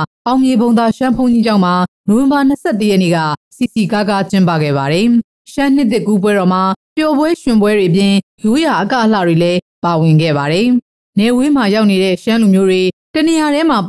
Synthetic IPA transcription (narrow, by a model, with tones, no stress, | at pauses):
ʔã˨ʊ̃ŋje˨bõ˨ʊ̃na˨ʃã˦mpʰõ˦ʊ̃ɲi˦d͡ʑã˦˨ʊ̃ma˨no˨wɪ̃˨mba˨n̥əsʰɛ˦˨tːə˨jɛ˦ʔnḛ˦˨ɡa̰˦˨si˨si˨ka˦ka˦t͡ɕɪ̃˦mpä̰˦˨ɡɛ̰˦˨βa˨ɾɛ˨ | ʃã˦n̥ɪ˦t̪̬ːɪ˦˨kːu˦p̬wɛ˦ɾɔ˨m̥a˨pjɔ˨bwɛ˦ʃwɪ̃˨mbwɛ˦ɾwe˨ʔəpjɪ̃˨ | jo˦ja˨ʔəkä̰˦˨ʔəlä̰˦˨dwe˨lɛ˦pa˨wɪ̃˨ŋɡɛ̰˦˨βa˨ɾɛ˨ | nɛ˨we˦m̥a˨ja˦ʊʔne˨ɾɛ̰˦˨ʃã˦lu˨mjo˦dwe˨tə˨ne˨ja˨ɾɛ˦ma˨